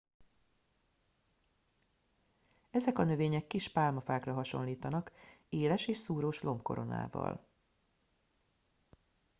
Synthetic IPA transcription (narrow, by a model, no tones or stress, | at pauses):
ɛzɛkɒnø̞veːɲɛkːiʃpaːlmɒfaːkrɒɦɒʃo̞̰nliːt̪ɒnɒkeːlɛʃeːʃsuːɾoːʃlo̞mpko̞ɾʔo̞̰na̰ːvɒ̰l